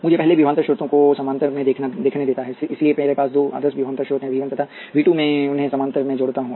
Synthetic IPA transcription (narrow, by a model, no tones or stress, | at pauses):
mʊd͡ʒʱepɛɦlebiːʋə̃nt̪ɾəʃʊɾt̪õkosɐmãnt̪əɾmẽd̪eːkʰnad̪eːkʰned̪eːt̪aɦɛɪsliemeːɾepaːsd̪oːa̰ːd̪əsbiʋə̃nt̪əʃʊɾt̪ɦɛ̃ʋʱiːʋənt̪ət̪ʰa | ʋiːʈumẽʊnɦẽsɐmãːnt̪əɾmẽd͡ʒoːɽt̪aɦũː